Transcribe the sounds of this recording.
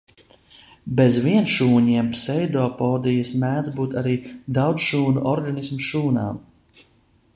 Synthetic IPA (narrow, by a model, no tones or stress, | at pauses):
bezviɛnʃuːɲiɛmsɛjd̪ɔːpɔːd̪ijasmæːnzbuːt̪aɾiːd̪awd̪sʃuːnuʔɔɾɡanismʃuːna̰ːm